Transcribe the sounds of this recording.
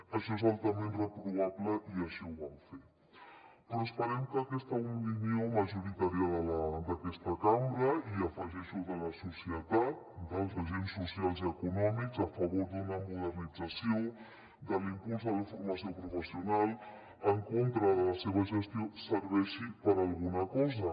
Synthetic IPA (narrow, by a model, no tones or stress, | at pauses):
əʃɔezalˠt̪əmẽnrəpɾuβ̞aβləʔiəʃiuβamfe | p̪ɾuspəɾɛmkəkɛst̪əupinioməʒuɾit̪aɾjəðələd̪əkɛst̪əkambɾəiəfəʒɛʃuðələsusiət̪at̪̚d̪əlˠzəʒensːusialˠziəkunɔmikzəfəβoɾd̪unəmuðərnid͡zəsio | d̪əlimpulzðələfuɾməsiopɾufəsiunalˠ | əŋkont̪ɾəðələseβəʒəst̪iosəɾβɛʃipəɾalˠɣunəkɔzə